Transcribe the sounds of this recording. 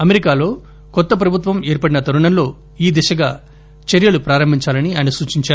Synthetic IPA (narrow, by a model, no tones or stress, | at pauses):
ɐmeɾikaːlo̞ː | kɔt̪ːɐp̬ɾɐbʱut̪ʋɐmeːɾpɐɽinɐt̪ɐɾuɳɐmlo̞ː | iːd̪ɛʃɐɡa̰ː | t͡ʃeɾjɐlupɾaːɾɐmbʱiɲt͡ʃaːlɐniajɐnɐsuːt͡ʃiɲt͡ʃaːɾu